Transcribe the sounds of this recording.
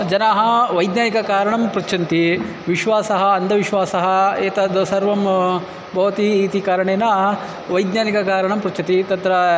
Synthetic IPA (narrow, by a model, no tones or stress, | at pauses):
d͡ʒɐnaːɦɐ̆ʋɐjd̪njaːnikɐkaːɾɐɳɐmpɾut͡ʃʰɐnt̪i | ʋiʃʋaːsɐɦɐɐnd̪ʱɐʋiʃʋaːsɐɦɐ̆eːt̪ɐd̪sɐɾʋɐm | bʱɐʋɐt̪iːt̪ikaːɾɐɳeːnɐ | ʋɐjd̪naːnikɐkaːɾɐɳɐmpɾut͡ʃʰɐt̪it̪ɐt̪ɾɐ